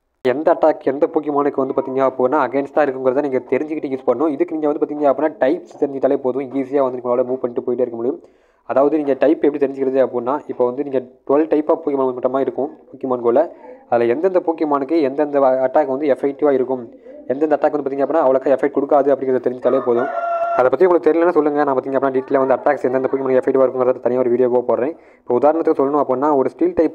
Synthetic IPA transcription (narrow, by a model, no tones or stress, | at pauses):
ɛnd̪ɐɐʈːaːkːɛnd̪ɐpuːk̬jɐmaːnɯkːɯʋɐnd̪ɯpaːɾt̪iːŋɡɐaːɐpːoːɯnːaːɐɡeːnsʈãːɪɾɯkːɯmkɯɾɐt̪ːãːniːŋɡɐt̪ɛɾɪɲd͡ʒɯkɪʈːɯjiːspɐɳɐːʊ̃ɪðɯkːɯniːŋɡɐnd̪ɯpːaɾt̪iːŋɡɐaːɐpːinːaːʈɐɪpst̪ɛɾɪɲd͡ʒɪʈ̪ːt̪ːɐlepoːðʊ̃iːs̬ɪjaːʋɐnd̪ɯːkːaːlɐmuːpɐɳʈːɯpoːjɪʈ̬ːɯːɪɾɯkːɐmʊɽɪjɯm | ɐðaːʋɐðɯniːŋɡɐʈɐɪpːɛpːɐɽit̪ɛɾɪɲd͡ʒɪkːɪɾɐðɯɐpːoːnːaːʔɪpːoːʋɐnd̪ɯniːŋɡɐʈʊɐlʈɐɪpaːpuːkjɪmaːmɐʈːɐmaːɪɾɯkːʊ̃puːkjɪmaːnɡoːlɐɐðɪlɐɛnd̪ɐnd̪ɐpuːkːɪmaːnɯkːɯɛnd̪ɐnd̪ɐɐʈːaːkːɐʋɐnd̪ɯɛfɛk̚ʈɪʋaːɪɾɯkːɯm | ɛnd̪ɐnd̪ɐʈːaːkɐnɯpːaːt̪iːŋɡɐpːɐːnːaːɐʋɐɭɐkːaːɛfːɛk̚ʈ̚kːɔɽɯkːaːðɯɐpːɐɽɪ̃ŋɡɾɐðɐt̪ɛɾɪɲd͡ʒɪʈːaːleːpoːðʊ̃ɐðɐpːɐt̪ːiʊŋɡɐɭɯkːɯt̪ɛɾɪlɛnːaːsɔlːɯŋɡɐnãːpaːt̪iŋɡɐpːɽnːaɖiːʈːleːʋɐnd̪ɯɐʈːaːksɛndɐnd̪ɐpuːkɪmanɯkːɯɛfːɛk̚ʈːɪʋaːɪɾɯkːɯŋɡɾɐðat̪ɐnɪjaːɔɾɯʋiːɽɪjoːkoːpoːɾɾẽː | ɪ̥pːoːʊðaːɾɐɳɐt̪ːɯkːɯsɔlːɐnʊ̃ɐpːoːnːaːɔɾɯsʈiːlʈɐɪp